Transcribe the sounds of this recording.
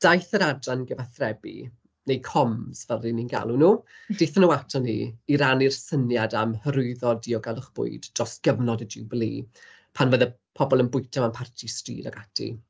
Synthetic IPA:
d̥ajθəɾadranɡəvaθrɛbḭ | nejkʰɔmsvərininɡa̰lˠunuːd̥eθənuatʰanḭiɾanirsənjadamhəɾʊɨðɔdiɔɡalˠʊχb̥ʊ̰ɨdd̥rɔsɡ̥əvnɔdədɪwblˠḭː | pʰanvəðə | pʰɔbɔlˠənbʊɨtʰamanpʰartʰistrḭːdaɡatʰḭ

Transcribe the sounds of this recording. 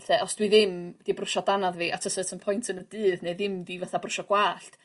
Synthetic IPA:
ɬɛɔsd̥wiðɪmd̥ibrʊʃɔdanaðviʔatʰəsətʰənpʰɔjntʰənəd̥ɨːðneɨðɪmdivaθabrʊʃɔɡ̥waːɬt

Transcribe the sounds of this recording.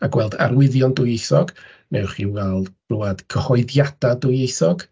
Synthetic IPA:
aɡ̥wɛlˠda̰ɾwɪðjɔndʊjejsɔɡ | nʔɛwχiwɛlˠdb̥ruad̥ɡ̥əhɔɨðjad̥adʊjejsɔɡ

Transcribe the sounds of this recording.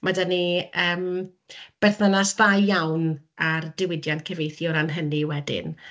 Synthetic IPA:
madaniəːm | b̥ɛrθnanasðajjawnardɪwɪdjantkʰɛvejθjɔɾanɦəniwɛdɪ̰n

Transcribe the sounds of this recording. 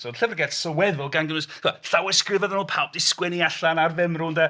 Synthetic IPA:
soːdɬɛvrɡɛtsəwɛðʊlˠɡanɡənʊsɛθawɛskrɪvəðənuːlˠpʰalˠp̚d̥ɪskwɛniaɬanarvɪmruːnda

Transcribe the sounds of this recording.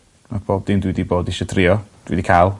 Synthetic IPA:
mab̥ʰoːb̚dindwidiboːdɪʃɔdʰrɪːɔd̥wḭdikʰalˠ

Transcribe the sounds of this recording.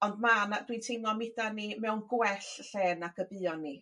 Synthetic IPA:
ɔndmanadwitʰejnɔmɪdanimɛwnɡwɛɬɬɛːnaɡəbɨɔnːi

